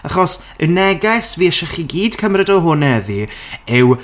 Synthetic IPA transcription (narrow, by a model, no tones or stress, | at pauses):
aχɔs | ənɛɡasviːəʃɛχiɡiːd̥kʰəmrɛdɔɦʊnɛðiɪw